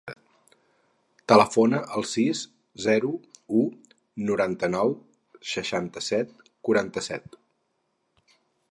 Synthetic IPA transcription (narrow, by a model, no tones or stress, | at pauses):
t̪ələfonəʔəlˠsis | zɛɾuu | nuɾant̪ənɔw | səʃant̪əsɛt̪̚ | kuɾant̪əsɛ̰t̪